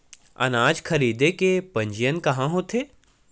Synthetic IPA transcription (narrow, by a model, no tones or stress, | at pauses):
ɐ̰naːd͡ʒkʰɐɾiːd̪ekepɐ̃ɲd͡ʒijənkɐɦãɦoːt̪ʰeː